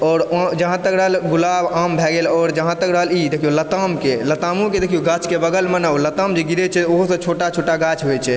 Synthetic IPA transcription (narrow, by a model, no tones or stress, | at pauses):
ɔɾd͡ʒəɦãt̪əkɾəɦəlɡulabambʱɛɡelɔːɾd͡ʒəɦãt̪əkɾəɦəlid̪ekʰijolət̪amkelət̪amũked̪ekʰijoɡat͡ʃʰkebəɡəlmənəwlət̪amd͡ʒeɡiɾɛt͡ʃʰɛoɦusə̃t͡ʃʰoʈat͡ʃʰoʈaɡat͡ʃʰɦojt͡ʃʰɛ